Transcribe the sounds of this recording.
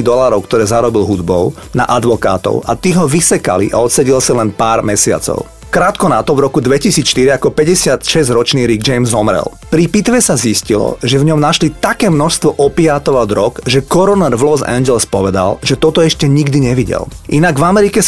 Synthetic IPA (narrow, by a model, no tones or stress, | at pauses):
d̪ɔlaːɾɔʊkt̪ɔɾɛːzaɾɔbilɦud̪bɔʊ | na̰ʔad̪ʋɔka̰ːt̪ɔ̰ʊʔa̰t̪iːɦɔʋisɛka̰lḭʔa̰ɔt̪sɛɟilsalɛnpaːɾmɛsɪa̰t͡sɔ̰ʊ | kɾaːt̪kɔnat̪ɔvɾɔkud̪ʋɛcisiːt͡sʃt̪iɾiakɔpɛɟɛsɪat̪ʃɛzɟɾɔt͡ʃniːɾiɡd͡ʒɛjmzɔmɾɛ̰l | pɾipit̪ʋɛsaziscilɔ̰ʒɛvɲɔmnaʃlit̪akɛːmnɔʃst̪ʋɔʔɔpiaːt̪ɔʋad̪ɾɔkʒɛkɔɾɔnɛɾʋlɔzɛ̰nd͡ʒɛlspɔʋɛd̪a̰lʒɛt̪ɔt̪ɔɛʃcɛɲiɡd̪iɲɛʋiɟɛ̰lʔinaɡvamɛɾikɛ